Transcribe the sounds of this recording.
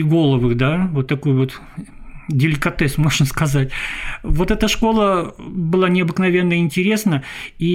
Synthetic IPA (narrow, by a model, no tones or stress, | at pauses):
ɪɡo̞lˠəvɨxd̪avo̞t̪ːɐkojʊvo̞t̪ | dʲɪlʲɪkɐt̪ɛsmo̞ʐnəskɐzatʲvo̞t̪ɛt̪əʂko̞lˠəbɨlˠanʲɪɐbɨknɐvʲe̞nːəɪnʲtʲɪɾʲe̞snəi